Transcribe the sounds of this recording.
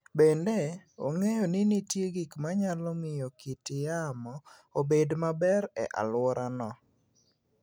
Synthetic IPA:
bendeo̰ŋejɔnɪnitjeɡikmaɲalɔmɪjɔkitɪjamɔ | obedmabɛɾɛ̰ʔa̰lwɔɾanɔ

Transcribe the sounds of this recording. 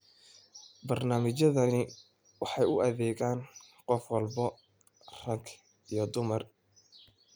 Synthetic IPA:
bɐrnaːmɪt͡ʃɐðɐnɪ | wɑħɑjʊɐðɛːɣaːnqɔfwɑlbɐ | rɐŋkʰ | ijɞd̪ʊmɐr

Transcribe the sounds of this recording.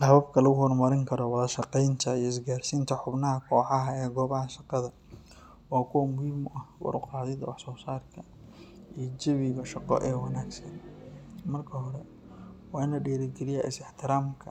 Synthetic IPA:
hɐβɐbkʰɐlɐɣʊɦɔrmɐɾɪŋkʰɐɾɔwɐðɐʃɑqɛjnt̪ʰɐijɔɪs̬ɡaːrsint̪ʰɐħʊbnɐɦɐkʰɔːħɑɦɐɛːɡɔːβɐɦɐʃɑqɑðɐ | ɔːkʰʊwmʊhiːmʔɐhwɑ̰ɾʊqɑːðɪðɐwɑħsɔːsaːrkʰɐ | ijd͡ʒɐβɪɣɐʃɑqɔ̰ʔɛːwɑnaːɡsɐn | mɐrkʰɐɦɔɾɛ | wɑːɪnɐɖɛːɾɪɡɛlɪjɛɪsɪħt̪ʰɪɾaːmkʰɐ

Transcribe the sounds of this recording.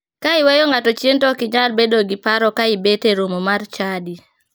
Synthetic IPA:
kaɪwejoŋatɔt͡ʃentɔkɪɲalbedoɡipaɾɔkaɪbeteɾomomart͡ʃadi

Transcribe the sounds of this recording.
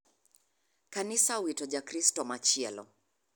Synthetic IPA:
kanisawitɔʄakɾistɔmat͡ʃɛlɔ̰

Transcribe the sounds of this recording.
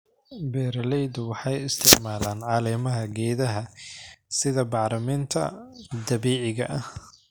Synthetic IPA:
bɛːɾlɛjd̪wɑħɑjɪst̪ʰɪʕmaːlaːnʕɑːlɛːmɐɦɐɡɛːðɐɦɐsɪðɐbɑʕɾɐmɛːnt̪ʰɐ̰d̪ɐβiːʕɪɣɐ̰ʔɐh

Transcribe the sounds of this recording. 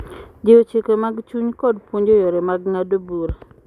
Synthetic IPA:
d͡ʒeot͡ʃekemaɡt͡ʃuɲkɔdpwoɲd͡ʒojɔɾemaɡŋadobuɾa

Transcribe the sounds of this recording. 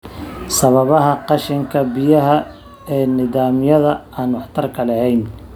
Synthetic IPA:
sɐβɐβɐɦɐqɑʃɪŋkʰɐbɪjɐɦɐ | ɛːnɪðaːmjɐðɐaːnwɑħt̪ʰɐrkʰɐlɐhɛjn

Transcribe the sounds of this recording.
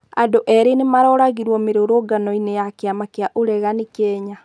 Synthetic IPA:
a̰doʔɛɾenemaɾɔɾaɣiɾwɔmeɾoɾoɡanɔinejakeamakeaʔoɾɛɣanikɛɲa

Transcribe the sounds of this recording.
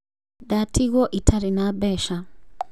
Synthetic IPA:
datiɣɔʔitʰaɾinabɛːʃa

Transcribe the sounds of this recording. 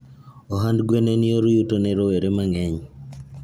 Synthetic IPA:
ɔɦandɡwenenɪoɾjutonɛɾoweɾemaŋɛɲ

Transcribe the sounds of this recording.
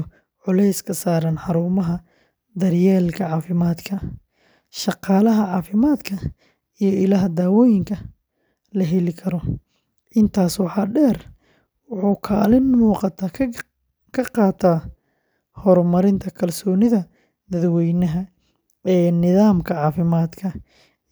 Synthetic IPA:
ʕʊlɛjskʰɐsaːɾɐnħɑɾuːmɐɦɐ | d̪ɐrjɛːlkʰɐʕɑːfɪmaːd̪kʰɐ | ʃɑqɑːlɐɦɐʕɑːfɪmaːd̪kʰɐ | ijɔɪlɐɦɐd̪aːwɔːjɪŋkʰɐ | lɐɦɛlɪkʰɐɾɔ | ʔɪnt̪ʰaːswɑħɑːɖɛːr | wɑħuːkʰa̰ːlɪnmuːqɑt̪ʰaː | kʰɐqɑːt̪ʰaː | hɔrmɐɾɪnt̪ʰɐkʰɐlsɔːnɪðɐ | d̪ɐðwɛjnɐɦɐ | ɛːnɪðaːmkʰɐʕɑːfɪmaːd̪kʰɐ

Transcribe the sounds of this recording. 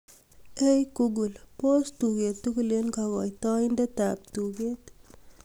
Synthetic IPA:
ejkuɡulpost̪uɡet̪uklenkaɡɔ̰jt̪ɔind̪at̪ap̚t̪uɡet̪

